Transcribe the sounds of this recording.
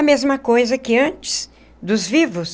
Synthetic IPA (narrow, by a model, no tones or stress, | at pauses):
ɐmezmɐkojzɐkɪɐ̃t͡ʃɪ̥s | d̪ʊzvivʊs